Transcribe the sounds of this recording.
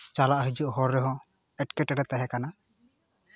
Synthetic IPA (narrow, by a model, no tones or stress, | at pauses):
t͡ʃalaʔɦid͡ʒuʔɦɔɾːɛɦɔ | ɛʈkɛʈɛɾɛt̪aɦɛkana